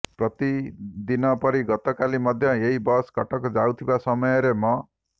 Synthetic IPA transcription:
prʌt̪id̪inʌpʌɾiɡʌt̪ɔkalimʌd̪ʱjʌeibʌskʌʈʌkd͡zawt̪ʰibasʌmʌjɔɾemʌ

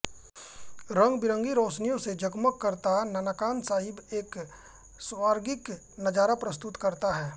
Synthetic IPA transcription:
ɾə̃ŋɡbɪɾə̃ŋɡiɾoːʃnijõsed͡ʒəɡməkːəɾt̪anənəkaːnsaːɦɪbeːk | sʋaːɾɡɪk | nɐd͡ʒaːɾapɾɐst̪ʊt̪kɐɾt̪aɦɛː

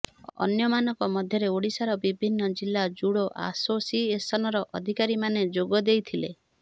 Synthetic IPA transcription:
ɔ̰njɔmanɔŋkɔmɔd̪ʱjɔɾeoɽisaɾɔbibʱinːɔd͡ʒilːad͡ʒuɽoʔa̰sosiesɔnɔɾɔʔɔd̪ʱikaɾimaned͡ʒoɡɔd̪ejt̪ʰile

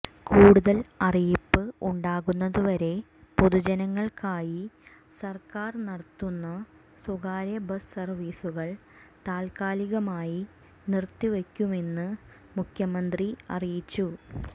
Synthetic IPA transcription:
kuːɽuðɐlɐrijipːɨuɳɖaːɣunːɐðuʋɐɾe̞ | poðud͡ʑɐnɐŋːɐɭkaːji | sɐrkaːrnɐɽɐt̪ːunːɐ | suɣaːɾjɐbɐssɐrʋiːsuɣɐɭt̪aːlkaːliɣɐmaːji | nirt̪ːiʋekʲːume̞nːɨ | mukʰjɐmɐnd̪riɐ̰rijit͡ɕːu

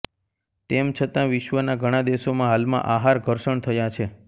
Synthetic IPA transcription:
t̪emt͡ʃʰət̪ãʋɪʃʋənaɡʱəɽ̃ãd̪eʃomãɦalmã̰ʔaɦaɾɡʱəɾʃəɳt̪ʰəjat͡ʃʰe

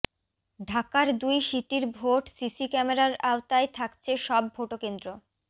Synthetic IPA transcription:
ɖʱakaɾd̪ujʃiʈiɾbʱoʈsisikɛmeɾaɾaot̪aet̪ʰakt͡ɕʰeʃɔbːʱoʈokend̪ɾo

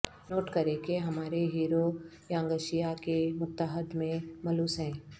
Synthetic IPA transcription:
noːʈkɐɾekeɦɐmaːɾeɦiːɾo | jãːə̃ŋɡəʃijakemʊt̪ːəɦəd̪mẽmɐluːsɦɛ̃ː

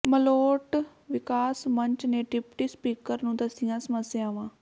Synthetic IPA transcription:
məloːʈ | ʋɪkaːsməɲt͡ʃneːʈɪpʈiːspiːkəɾnũːd̪əsɪjãːsəməsːɪjaːʋãː

